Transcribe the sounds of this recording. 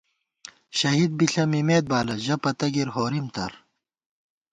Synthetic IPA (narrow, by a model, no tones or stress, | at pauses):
ɕɐɦid̪̚biɬɐmimeːd̪̚baːlɐʑɐpɐt̪ɐɡiɾɦoːɾimt̪ɐ̰ɾ